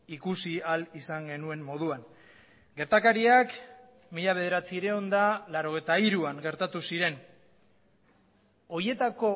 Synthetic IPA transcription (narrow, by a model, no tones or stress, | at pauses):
ikusialisaŋɡe̞nue̞mːo̞ð̞uaŋ | ɡe̞ɾt̪akaɾiak | miʎaβ̞e̞ð̞e̞ɾat͡siɾe̞o̞nd̪alaɾo̞ɣ̞e̞jt̪aiɾuaŋɡe̞ɾt̪at̪usiɾe̞n | o̞je̞t̪ako̞